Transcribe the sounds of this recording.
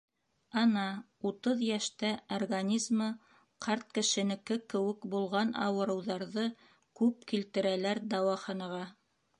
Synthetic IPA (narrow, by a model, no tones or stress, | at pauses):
ɑnɑ | ut̪ɤðjæʃt̪æorɡanʲizmɤ | qɑɾt̪̚kɘ̆ʃɘ̆nɘ̆kɘkɘ̆wɘkbulˠʁɑnɑ̰wɤ̆ɾɤ̆wðɑɾðɤ | kʉpkilt̪ɘ̆ɾælæɾd̪ɑwɑχɑnɑʁɑ